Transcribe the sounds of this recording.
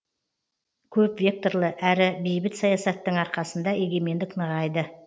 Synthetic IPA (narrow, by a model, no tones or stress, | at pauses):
kʲʰɵpvʲe̞k̚t̪o̞ɾlˠəʔæɾɪbe̞jbɪt̪sɑjɑsɑt̪ːəɴɑɾqɑsənd̪ɑe̞ɡʲe̞me̞nd̪ɪknəʁɑjd̪ə